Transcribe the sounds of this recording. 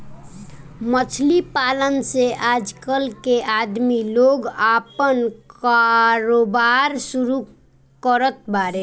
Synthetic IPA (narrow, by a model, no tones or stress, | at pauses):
mət͡ʃʰlipalənseʔad͡ʒkəlkeʔad̪miloɡapənkaɾobaɾsuɾu | kəɾət̪̚baɾe